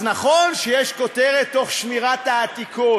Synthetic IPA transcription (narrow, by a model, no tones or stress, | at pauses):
znaχonʃejɛʃko̞t̪eʁet̪ːo̞χʃmiʁat̪aːt̪ikʰo